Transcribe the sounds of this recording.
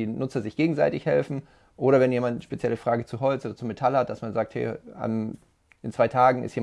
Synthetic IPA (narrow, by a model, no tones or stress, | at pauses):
iːnʊt͡sɐzɪçɡ̥eːɡŋ̩zaɪtɪçhɛlfn̩ | ʔoːɾɐvɛnjeːmantʃpet͡sjɛləfʁ̥aːɡət͡suɦɔlt͡sʔoːdɐt͡sumetʰalhatd̥asmanzaːk̚thɛ̰ːa̰n | ʔɪnt͡sv̥aɪtʰaːɡŋ̩ɪ̰stjeː